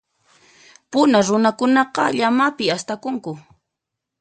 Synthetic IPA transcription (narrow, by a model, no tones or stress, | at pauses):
pʊnaɾʊnakʊnɑqɑʎamapɪast̪akʊŋkʊ